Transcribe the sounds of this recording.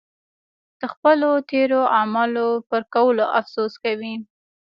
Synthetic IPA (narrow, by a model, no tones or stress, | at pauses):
d̪̥əxpəlot̪eɾoʔamɑlopəɾkawəloʔafsuskawi